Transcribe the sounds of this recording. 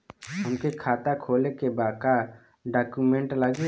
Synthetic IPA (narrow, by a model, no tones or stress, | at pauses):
ɦəmkekʰaːt̪akʰoːlekebaːkaɾ | ɖaːkumẽɳʈləɡe